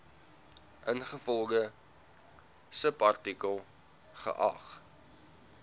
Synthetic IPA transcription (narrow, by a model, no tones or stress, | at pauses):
ʔənχəfɔlˠɡə | səpɐrtikəlˠ | χə̰ʔɐ̰χ